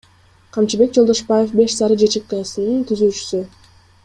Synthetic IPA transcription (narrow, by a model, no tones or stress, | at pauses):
qʰɑmt͡ʃibe̞k̚d͡ʒod̪o̞ʃbaje̞fbe̞ʃsɑɾɯd͡ʒet͡ʃek̚q̪ɑjɑsɯnɯnt̪ʰyzyːt͡ʃy̥sy